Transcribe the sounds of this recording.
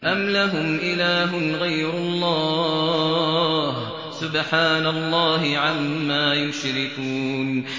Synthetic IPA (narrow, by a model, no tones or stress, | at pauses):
ʔamlaɦʊmʔɪlaːɦʊnɣajɾʊlˤːɑː | h | sʊbħaːnalˤːɑːɦɪʕamːaːjʊʃɾɪkuːn